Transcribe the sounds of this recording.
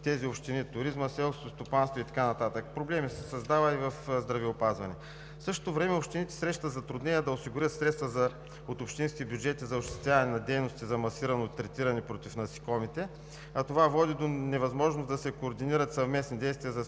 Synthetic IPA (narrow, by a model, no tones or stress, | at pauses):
t̪ɛziopʃt̪init̪ʊɾizməsɛlˠskoost̪opanst̪voit̪ɐ̥kanɐt̪at̪əkpɾoblɛmisɛsɐzd̪avəivɐfzd̪ɾɐviopazvɐnɛ | fsɤʃt̪ot̪ovɾɛmɛopʃt̪init̪ɛ̥sɾɛʃt̪əzɐt̪ɾʊd̪nɛnʲiəd̪ɐosiɡʊɾʲjət̪sɾɛt̪st̪vəzɐ | ot̪opʃt̪inskʲibjud͡ʒɛt̪izɐoʃt̪ɛ̥t̪jʲavɐnɛnɐd̪ɛjnost̪izɐmɐsiɾɐnot̪ːɾɛt̪iɾɐnɛpɾot̪ifnɐsi̥kɔmit̪ɛ | ɐt̪ovavɔd̪id̪onɛvɐzmɔʒnosd̪ɐsɛkoːɾd̪iniɾət̪sɐvmɛsnid̪ɛjst̪viəzɐ